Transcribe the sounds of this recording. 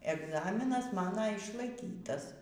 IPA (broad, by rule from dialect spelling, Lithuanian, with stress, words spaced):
ɛɡˈzɑːmʲɪnɐs ˈmɑːnoː ɪʃlˠɐɪˈkʲiːtɐs